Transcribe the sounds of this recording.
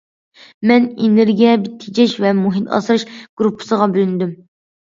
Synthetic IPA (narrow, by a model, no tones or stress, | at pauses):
mɛnenɪɾɡʲɛbɪt̪ʰːɪd͡ʒɛʃvɛmuɦit̪ʰɑ̰sɾɨʃɡ̥ɾupʰːɨ̥səʁɑbylynd̪ym